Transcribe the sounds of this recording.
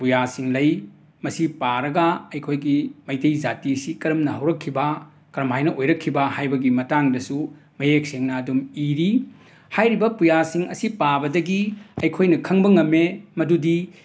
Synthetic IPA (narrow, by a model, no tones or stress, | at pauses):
pujasiŋlɐj | mɐsipaɾɐɡɐɐjkʰojɡimɐjtejzatisikɐɾɐmnɐɦɐwɾɐkʰːibɐ | kɐɾɐmhajnɐʔojɾɐkʰːibɐhajbɐɡimɐtaŋdɐsu | mɐjek̚seŋnɐːdumiɾi | hajɾibɐpujasiŋɐsipabɐdɐɡiɐjkʰojnɐkʰɐŋbɐŋɐmːemɐdudi